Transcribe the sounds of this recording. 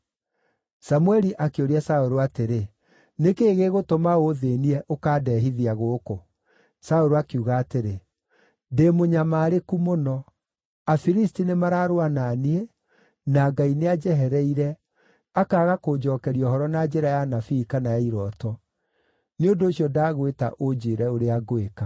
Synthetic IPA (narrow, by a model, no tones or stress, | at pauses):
samuɛɾiʔakeoɾiasaoɾoateɾe | nekeːɣeɣotomaoðeniɛʔokaːdɛːɦiðiaɣoko | saoɾoakeuɣaːteɾe | demoɲamaːɾekumonɔ | afiɾistinemaɾaːɾoananie | naːɡainead͡ʒɛɦɛɾɛiɾɛ | akaːɣakoːd͡ʒɔːkɛɾiɔɦɔɾɔnad͡ʒɛɾajanafikanajaiɾɔtɔ | neondoːɕiɔdaːɣweta̰ʔod͡ʒeɾɛoɾeaɡoeka